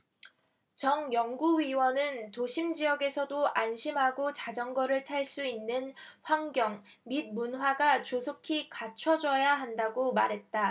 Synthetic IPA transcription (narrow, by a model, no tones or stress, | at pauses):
t͡ɕʌŋjʌŋɡuɥiwʌnɯntoɕʰimd͡ʑiʌɡe̞sʰʌdoʔanɕʰimɦaɡot͡ɕad͡ʑʌŋɡʌɾɯɭtʰaɭs͈uinːɯnɸwaŋɡjʌŋ | mid̚munɸwaɡat͡ɕosʰokʰikat͡ɕʰʌd͡ʑʌjaɦandaɡomaɾɦe̞t̚t͈a